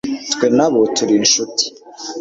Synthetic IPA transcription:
twenaβotuɾinʃuti̥

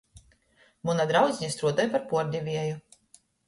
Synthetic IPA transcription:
munad̪ɾawd̪zʲɲist̪ɾuɔt̪ɛjpaɾpuɔɾd̪ʲɛvʲiɛju

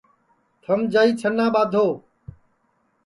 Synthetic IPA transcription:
t̪ʰəmd͡ʒaːiːt͡ʃʰənːãːɓaːd̪ʱoː

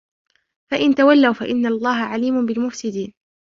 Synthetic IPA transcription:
faʔɪnt̪awalːawfa̰ʔɪnːalˤːɑːɦaʕaliːmʊbɪlmʊfsɪd̪iːn

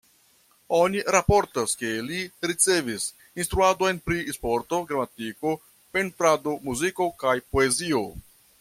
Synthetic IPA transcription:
oniɾapoɾtaske̞liɾit͡se̞vis | inst̪ɾuado̞jnpɾispo̞ɾto̞ɡɾamatiko̞ | pe̞ntɾado̞muziko̞kajpo̞e̞zio̞

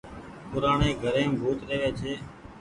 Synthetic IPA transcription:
pʊɾaːɳeːɡʱəɾẽːmbʱuːt̪ɾeːʋeːt͡ʃʰeː

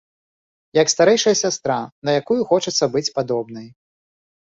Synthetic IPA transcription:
jɐkst̪aɾɛjʂɐjɐsʲast̪ɾanɐjakujuxɔt͡ʂɐt̪sːɐbɨt͡sʲpad̪ɔbnɐj

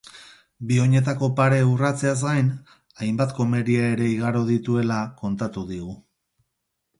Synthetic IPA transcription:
bio̞ɲe̞t̪̬ako̞paɾe̞urat͡se̞az̬ɡajn | ajmbat̪ko̞me̞ɾiaeɾe̞iɣ̞aɾo̞ð̞it̪ue̞lako̞nt̪at̪uðiɣ̞u

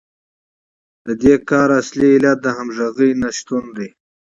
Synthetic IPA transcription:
d̪̥əd̪ekɑːɾasliːlat̪̚d̪əɦamʒaɣijnaʃt̪und̪i

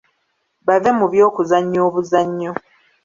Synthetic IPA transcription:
βavemuβjo̞ːkuzaɲːoːβuzaɲːo

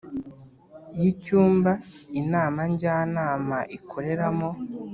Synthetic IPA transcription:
jicuːmbainaːmaɲɟaːnaːmaʔikʰo̞ɾe̞ɾamo

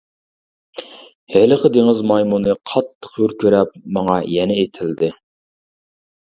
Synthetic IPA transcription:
hɛlɨqʰəd̪eŋɪzmɑjmunɨqʰɑt̪ʰːə̥qhyɾkʲʰøɾɛp̚mːɑŋɑjɛnɛet̪ʰɪld̪ɪ

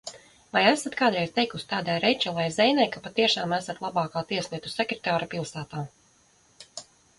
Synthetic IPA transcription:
vajæsat̪kaːd̪ɾɛjzt̪ejkusʲt̪aːd̪ajɾɛt͡ʃalˠajzɛjnajkapat̪iɛʃaːmæsat̪lˠabɑːkaːt̪iɛslˠiɛt̪u̥sɛkɾɛ̥t̪aːɾapilˠsaːt̪aː

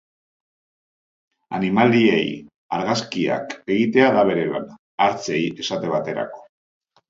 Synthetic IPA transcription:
a̰nimaliḛj | aɾɣaskia̰ke̞ɣit̪e̞aðaβ̞e̞ɾe̞la̰n | aɾt͡se̞je̞sat̪e̞βat̪e̞ɾa̰ko̞̥

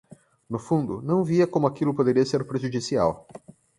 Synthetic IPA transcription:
nʊfũnd̪ʊnɐ̃w̃viɐkõmʊakilʊpod̪eɾiɐseɾpɾeʒud͡ʒisia̰w

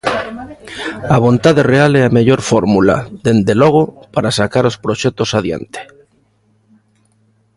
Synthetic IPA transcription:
aβ̞o̞nt̪aðerealeameʎo̞ɾfoɾmula̰ðe̞nd̪eloɣ̞opaɾasakaɾospɾoʃet̪osað̞ja̰nt̪e̥

